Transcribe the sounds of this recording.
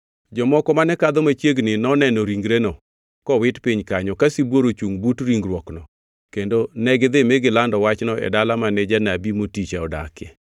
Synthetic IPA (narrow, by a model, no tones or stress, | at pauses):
d͡ʒɔmɔkɔmanɛkad̪ɔmat͡ʃjeɡnɪnɔnɛnɔɾiŋɡɾenɔ | kɔwɪtpiɲkaɲɔkasibwoɾot͡ʃuŋbutɾiŋɡɾwɔknɔ | kendonɛɡɪd̪ɪmeɡɪlandɔwat͡ʃnɔʔɛ̰dalamanɛd͡ʒanabimotit͡ʃaɔda̰kɛ